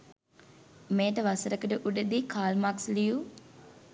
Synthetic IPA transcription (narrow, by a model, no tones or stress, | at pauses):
meːʈəʋasəɾəkəʈəʔuɖəd̪ikʰaːlmaksliju